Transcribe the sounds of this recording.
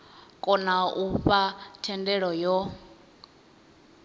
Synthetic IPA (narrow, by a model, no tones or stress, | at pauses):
kʼɔnauɸatʰɛndɛɺɔjɔ